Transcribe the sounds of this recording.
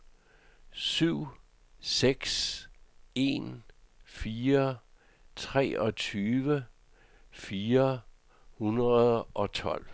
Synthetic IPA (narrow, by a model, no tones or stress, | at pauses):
syʊ̰ | seɡ̥s | e̝̰nfiːɐ | t͡sʰʁɛ̰ːʔɒ̽t͡sʰyːʋə | fiːɐ | hunʁɐðˠʔɒ̽t͡sʰɒ̽l̰